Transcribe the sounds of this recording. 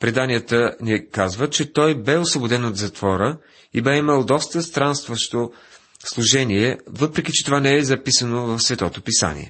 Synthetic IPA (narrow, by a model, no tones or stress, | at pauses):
pɾɛd̪anijət̪ənʲɛkazvət͡ʃɛt̪ɔjbɛosvobod̪ɛnot̪zɐt̪vɔɾə | ibɛiməlˠd̪ɔst̪əst̪ɾanst̪vəʃt̪o | slˠʊʒɛniɛvɤpɾɛkit͡ʃɛ̥t̪ovanɛɛzɐpisənovɐfsvɛt̪ɔt̪opisa̰nḭɛ̰